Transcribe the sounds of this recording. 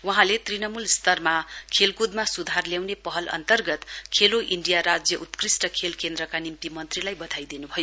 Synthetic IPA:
wʌɦãlet̪rinʌmulst̪ʌrmakʰelkud̪masud̪ʱarljawnepʌɦʌlʌ̰nt̪ʌrɡʌt̪kʰeloʔiɳɖijaɾad͡zjʌʔut̪krisʈʌkʰelkend̪ɾʌkanimt̪imʌnt̪rilajbʌd̪ʱajd̪inubʱʌjo

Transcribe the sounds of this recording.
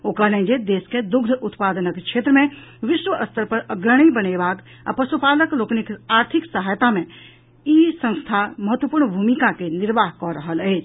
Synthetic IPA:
okəɦlẽd͡ʒed̪esked̪uɡd̪ʱəʔut̪pad̪ənəkt͡ʃʰet̪ɾəmẽʋisʋəʔəst̪ʰəɾpəɾəɡɾəɽ̃ijbənebak | a̰pəsupaləkloknikaɾt̪ʰiksəɦajt̪amẽ | isə̃st̪ʰaməɦət̪wəpuɾɳbʱumikakeniɾbaɦkɔɾəɦələɪt͡ʃʰ

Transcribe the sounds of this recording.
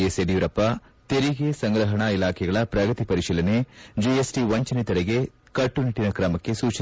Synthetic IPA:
eseɖiuɾɐpːɐ | t̪eɾiɡesɐŋɡɾɐɦɐɳɐilaːkʰɛɡɐɭɐpɾɐɡɐt̪ipɐɾiʃiːlɐned͡ʒiesʈiʋɐɲt͡ʃɐnit̪ɐɾɛɡe̞ | kɐʈːuniʈːinɐkɾɐmɐkːe̞suːt͡ʃ

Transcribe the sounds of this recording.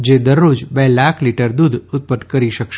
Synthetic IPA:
d͡ʒed̪əɾːud͡ʒbelakʰliʈəɾd̪ud̪ʱʊt̪̚pəʈ̪kəɾiʃəkʃ

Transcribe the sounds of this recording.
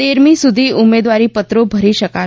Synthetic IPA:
eɾmisud̪ʱiːumed̪ʋaɾiːpət̪ɾobʱəɾiʃəka

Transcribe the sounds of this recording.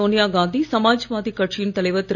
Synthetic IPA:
oːnijaːɡãːnd̪isɐmaːd͡ʒɐʋaːðikɐʈʂɪjɪnt̪ɐlɐɪʋɐt̪ːɪɾ

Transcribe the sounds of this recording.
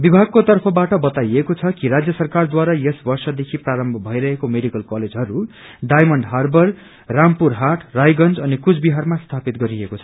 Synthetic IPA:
bibʱaɡ̚kot̪ʌrpʰʌbaʈʌbʌt̪ajekot͡sʰʌkiɾad͡zjʌsʌrkard̪waɾajesbʌrsʌd̪ekʰipraɾʌmbʱʌbʱʌjɾʌɦekomeɽikʌlkʌled͡zɦʌɾu | ɖajmʌɳɖɦarbʌr | rampuɾɦaʈʰrajɡʌnd͡zʌnikud͡zbiɦarmast̪ʰapit̪̚ɡʌɾiekot͡sʰʌ

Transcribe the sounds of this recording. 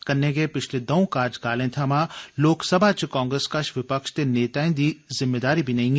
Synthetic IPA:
kɐɾnːẽɡepɪt͡ʃʰled̪ɐõkaːɾd͡ʒkaːlẽt̪ʰamãloːksɐbʱat͡ʃkãːŋɡɾeskaʃʋɪpəkʃt̪eneːt̪aːĩd̪izɪmːeːd̪aːɾibʱinɐɦĩːɡe

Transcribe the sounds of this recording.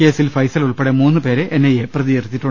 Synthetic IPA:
ke̞ːsilfɐjsɐluɭpeɽemuːnːɨpe̞ːɾeʔenːɐjeprɐðijerit̪ːiʈːu

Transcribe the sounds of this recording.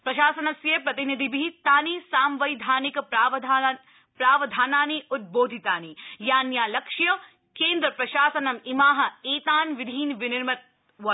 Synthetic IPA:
pɾɐʃaːsɐnɐsjepɾɐt̪inid̪ʱibit̪aːniːsaːmʋɐjd̪ʱaːnik̪ː | pɾaːʋɐd̪ʱaːnaːniut̪̚boːd̪ʱit̪aːnijaːnjaːlɐkʂjɐ | kẽːnd̪ɾɐpɾɐʃaːsɐnɐmimaːɦɐ̆eːt̪aːnʋid̪ʱiːnʋɪnɪɾmɐt̪̚ | ʋɐ

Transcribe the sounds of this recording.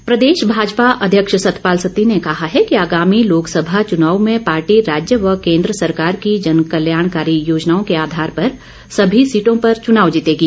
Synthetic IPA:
pɾɐd̪eːʃbʱaːd͡ʒpaʔɐd̪ʱjəkʃsɐt̪paːlsət̪inekɐɦaɦɛkiaːɡaːmiloːksəbʱat͡ʃʊnaːwmẽpaːɾʈiɾaːd͡ʒjəʋɐkẽːnd̪ɾəsɐɾkaːɾkid͡ʒɐnkəljaːɽ̃kaːɾijoːd͡ʒnaːõkeaːd̪ʱaːɾpɐɾ | sɐbʱisiːʈõpɐɾt͡ʃʊnaːʋd͡ʒit̪eːɡiː

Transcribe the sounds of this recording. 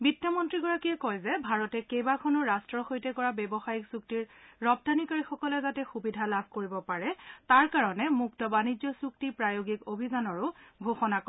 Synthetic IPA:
bitːɔmɔntɹiɡɔɹakiɛkɔjzɛbʱaɹɔtɛkejbakʰɔnɔɹastɹɔxojtɛkɔɹabɛbɔxajiksuk̚tiɹːɔp̚tanikaɹixɔkɔlɛzatɛxubidʱalabʱkoɹibɔpaɹɛtaɹkaɹɔnɛmuk̚tɔbanid͡ʒɔsuk̚tipɹajoɡikobʱizanɔɹʊɡʱoxɔnak

